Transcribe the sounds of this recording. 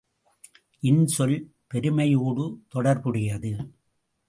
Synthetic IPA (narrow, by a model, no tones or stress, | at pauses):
ʔɪnsɔl | pɛɾɯmɐjuːɽɯt̪ɔɽɐɾpɯɽɪjɐðɯ